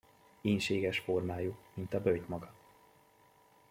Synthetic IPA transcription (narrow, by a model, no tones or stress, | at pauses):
eːnʃeːɡɛʃformaːjumint̪ɒbølt̪mɒɡɒ